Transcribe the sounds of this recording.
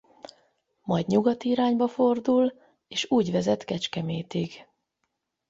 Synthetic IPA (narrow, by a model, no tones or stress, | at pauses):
mɒjdɲuɡɒt̪iɾaːɲbɒfo̞rd̪ul | eːʃuːɟvɛzɛt̪kɛt͡ʃkɛmeːt̪iɡ